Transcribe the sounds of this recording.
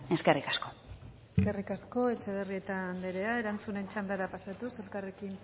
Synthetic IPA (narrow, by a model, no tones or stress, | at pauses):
e̞skerikasko̞eske̞rikasko̞e̞t͡ʃe̞βerie̞t̪and̪eɾe̞ae̞ɾant͡sune̞nt͡ʃand̪aɾapasat̪use̞lkare̞kin